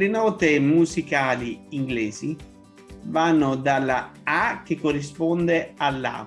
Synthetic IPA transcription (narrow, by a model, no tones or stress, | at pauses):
lɪnɔːt̪ɪmuzikaːliiŋɡlɛːzi | vanːʊd̪alːaak̟ːɪkːorːispɔnd̪ealːa̰